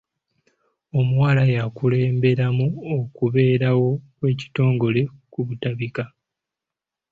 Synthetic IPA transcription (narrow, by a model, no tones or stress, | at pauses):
o̞muwaːlajakule̞ːmbe̞ɾamuokuβe̞ːɾawo̞kwe̞ːci̥to̞ːŋɡo̞le̞kuβutaβika